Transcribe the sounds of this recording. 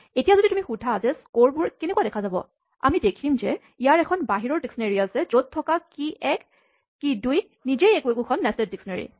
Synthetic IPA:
etijazoditumixudʱazɛskoɹbuɹkɛnɛkuadɛkʰazabɔ̰ | a̰midekʰimzɛ | ijaɹɛkʰɔnbaɦiɹɔɹdiksɔnaɹiasɛzot̚tʰːɔkakiɛkː | iduj | nizejɛkuɛkukʰɔnːɛsɛdiksɔnaɹḭ

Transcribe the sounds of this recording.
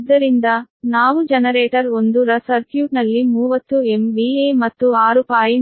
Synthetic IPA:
d̪ːɐɾind̪ɐnaːʋud͡ʒɐnɐɾeːʈɐɾond̪uɾɐsɐɾkjuːʈnɐlːimuːʋɐt̪ːuemʋiːeːmɐt̪ːuaːɾupaːji

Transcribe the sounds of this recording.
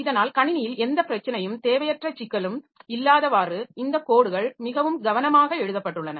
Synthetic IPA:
ɪðɐnaːlkɐɳɪnɪjɪlɛnd̪ɐpːɪɾɐt͡ʃːɐnɐjɯmt̪eːʋɐjɐʈrɐt͡ʃːɪkːɐɭɯm | ɪlːaːðɐʋaːrɯɪnd̪ɐkoːɽɯɣɐɭmɪɣɐʋɯmɡɐʋɐnɐmaːɣɐɛɻɯðɐpːɐʈːɯɭːɐnɐ

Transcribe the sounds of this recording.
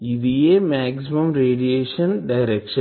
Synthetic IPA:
iðijemaːksimɐmɾeːɖijeːʂɐnɖɐjɾekʂɐ̃n

